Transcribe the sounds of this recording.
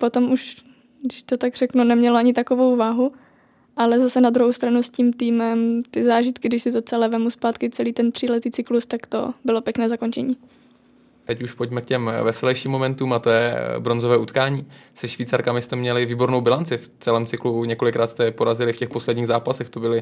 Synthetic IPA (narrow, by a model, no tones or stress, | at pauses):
pot̪o̞mʔuʃ | ɡdɪʃt̪ot̪aɡr̥ɛknunɛmɲɛloaɲɪt̪akovowvaːɦu | ʔalɛzasɛnad̪ɾuɦowst̪ɾanusciːmt̪iːmɛmt̪ɪzaːʒɪt̪kɪɡdɪʃsɪt̪ot͡sɛlɛːvɛmuspaːt̪kɪt͡sɛliːt̪ɛnt̪r̥iːlɛt̪iːt͡sɪklust̪akt̪o̰bɪlo̞pjɛknɛːzako̞nt͡ʃɛɲiː | t̪ɛcuʃpoɟmɛkcɛmvɛsɛlɛjʃiːmːo̞mɛnt̪uːmat̪ojɛ̰bɾo̞nzovɛːut̪kaːɲiːsɛʃviːt͡saɾkamɪst̪ɛmɲɛlɪviːbo̞ɾnowbɪlant͡sɪft͡sɛlɛːmt͡sɪkluɲɛko̞lɪkɾaːt̪st̪ɛpoɾazɪlɪfcɛxpo̞slɛdɲiːɣzaːpasɛxt̪obɪlɪ